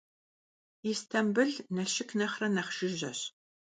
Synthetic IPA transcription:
istʰɐmbɨɮnɐʃɪkʰnɐχrɐnɐχʃɪʒɐ̰ɕ

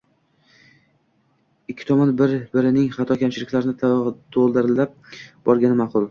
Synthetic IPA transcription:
ɪkʲʰːɪ̥t̪ʰɒmɒnbɪɾbɪɾɪnɪŋχɑt̪ʰɒkʲamt͡ʃʰɪlɪkʲlaɾɪnɪt̪ʰolˠd̪ɪɾɪlːap̚bɒɾɡʲanɪmaqʊlˠ

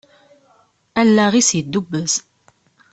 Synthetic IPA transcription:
ælːæʁisjəd̪ːubːəz

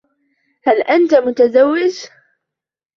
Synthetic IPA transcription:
halʔant̪amʊt̪azawːɪd͡ʒ

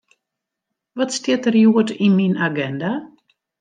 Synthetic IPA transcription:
ʋɔtstɪtərjuətiminaɡɛnda

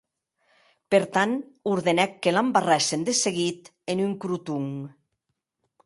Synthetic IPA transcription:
peɾt̪anuɾðenɛkːelambarɛsend̪eseɣit̪ | enyŋkɾut̪uŋ

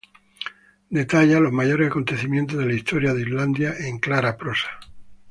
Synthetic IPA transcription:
d̪e̞t̪aʎalo̞zmaʝo̞ɾesako̞nt̪e̞θimjent̪̬o̞zð̞elaist̪o̞ɾjaðizland̪jaʔe̞ŋklaɾapɾo̞sḁ

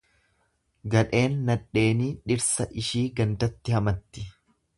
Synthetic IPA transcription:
ɡɐᶑe̞ːnːɐᶑːe̞ːniːᶑɪɾsɐʔɪʃiːɡɐnd̪ɐt̪ːɪhɐmɐt̪ːɪ̥

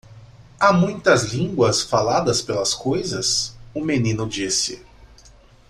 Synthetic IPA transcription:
amũj̃t̪ɐzlĩŋɡwɐsfalad̪ɐspelɐskojzɐsʊmenĩnʊd͡ʒisɪ̰

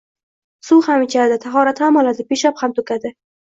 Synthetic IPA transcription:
suhamɪt͡ʃʲʰad̪ɪt̪ʰaχɒɾat̪hamɒlad̪ɪpeʃaphamt̪ʰɵkʲʰad̪ɪ

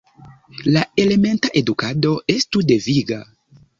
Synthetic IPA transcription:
lae̞le̞me̞ntaʔedukado̞e̞stude̞viɡa

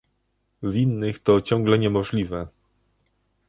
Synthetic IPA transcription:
vʲinːɘxt̪ɔt͡ɕɔ̃ŋɡlɛɲɛmɔʐlʲivɛ

